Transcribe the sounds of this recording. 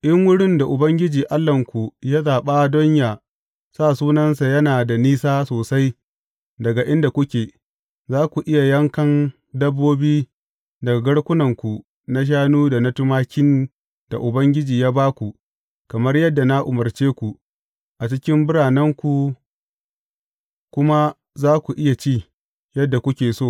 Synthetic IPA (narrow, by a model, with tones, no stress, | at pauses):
ʔɪ˦ŋwʊ˦ɽɪ˦nda˨ʔʊ˨bɐ˦ŋɡʲɪ˦d͡ʒiː˨ʔa˦lːɐ˨ŋkʷu˨jaː˦zaː˨ɓa˦dɔ˦ɲjaː˨ | saː˦˨suː˦nɐ˦nsa˨jɐ˦naː˨da˨niː˦saː˦soː˨sa˦j | dɐ˨ɡa˨ʔɪ˦nda˨kʷʊ˦kʲeː˨ | zaː˦kʷu˨ʔɪ˦ja˨jɐ˦ŋkɐ˦n | dɐ˦bːoː˦biː˦ | dɐ˨ɡa˨ɡɐ˦ɽkʷʊ˦nɐ˨ŋkʷu˨ | na˦ʃ̬aː˦nuː˦da˨nɐ˦tʊ˦maː˦kʲɪ˦n | d̥a̰˨ʔʊ˨bɐ˦ŋɡʲɪ˦d͡ʒiː˨jaː˦baː˦kʷu˨ | kɐ˨mɐ˦rjɐ˦dːa˨na˦ʔʊ˨mɐ˨rt͡ʃeː˦kʷu˨ | ʔa˨t͡ʃɪ˦kʲɪ˦mbʊ˦ɽaː˨nɐ˦ŋkʷu˨ | kʷʊ˦ma˦ | zaː˦kʷu˨ʔɪ˦ja˨t͡ʃiː˦˨ | jɐ˦dːa˨kʷʊ˦kʲeː˨soː˦˨